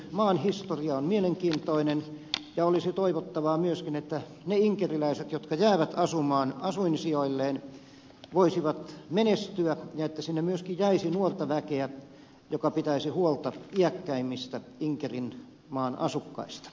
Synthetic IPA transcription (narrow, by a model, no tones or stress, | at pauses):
mɑːnhist̪oriɑonmieleŋkiːnt̪oinenjɑolisit̪oiʋot̪ːɑʋɑːmyøskinet̪ːæ | neiŋkerilæiset̪jot̪kɑjæːʋæt̪ɑsumɑːnɑsuinsioilːeːn | ʋoisiʋɑt̪menest̪yæjɑet̪ːæsinːemyøskijjæisinuort̪ɑʋækeæ | jokɑpit̪æisihuolt̪ɑiækːæimːist̪æiŋkerin | mɑːnɑ̰sukːɑ̰ist̪ɑ̥